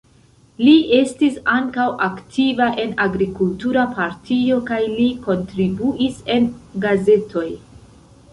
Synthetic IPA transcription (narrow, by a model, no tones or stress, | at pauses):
lie̞stisaŋkawʔaktʰivaʔe̞naɡɾikultuɾapaɾtʰio̞kajliko̞ntɾibuʔise̞nɡaze̞tʰo̞j